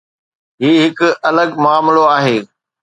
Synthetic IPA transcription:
ɦiːɦɪkʊɐləɡmʊaːmloaːɦeː

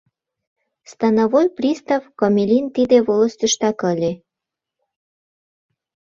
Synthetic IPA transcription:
st̪ɑnɑβojprist̪avkomʲelʲint̪id̪eβolə̆st̪yʃt̪ɑkəlʲe

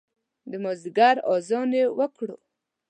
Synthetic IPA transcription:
d̪əmozɡaɾɑzɑnewəkɽo̰

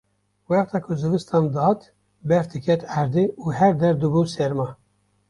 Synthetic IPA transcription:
wɛχt̪ʰɑːkʰʊzɨvɨst̪ʰɑːnd̪ɑt̪ | bɛfd̪ɨkʰɛt̪ʰæɾd̪euːhɛɾd̪ɛɾd̪ɨbusɛɾmɑ

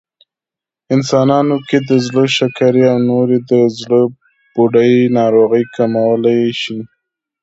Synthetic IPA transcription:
ɪnsɑnɑnoked̪əzləʃakaɾeawnoɾed̪əzlə | b̥oɖəjnɑɾoɣəjkamawəlajʃi

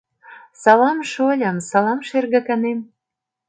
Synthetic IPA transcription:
sɑlɑmʃolʲɑmsɑlɑmʃerɣə̆kɑnem

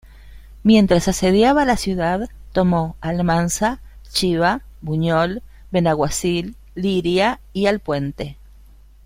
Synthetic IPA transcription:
mje̞nt̪ɾasaseðjaβalasjuðaðt̪omoalmansat͡ʃiβabuɲol | benaɣwasilː | iɾjaialpwe̞nt̪e

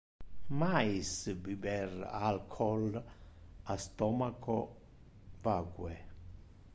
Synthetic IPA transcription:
majisbibɛralkʰɔl | ast̪ɔmakɔ | vaɡwɛ

